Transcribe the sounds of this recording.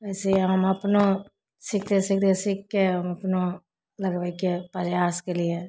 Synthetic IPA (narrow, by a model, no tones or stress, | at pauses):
ʋɛːseiɦɐmɐpno | sɪkd̪esɪk̚d̪ẽsɪkːeɦɐmɐpno | lɐɡʋəikepɐɾjaːskelie